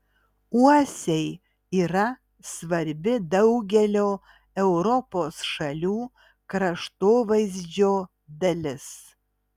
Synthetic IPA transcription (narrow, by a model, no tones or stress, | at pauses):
uɔsʲɛɪ | iːɾɐ | sʋɐɾʲbʲɪd̪ɐʊɡʲɛlʲoː | ɛʊɾɔpoːsʃɐlʲuː | kɾɐʃt̪oːʋɐɪzʲd͡ʒʲoː | d̪ɐlʲɪs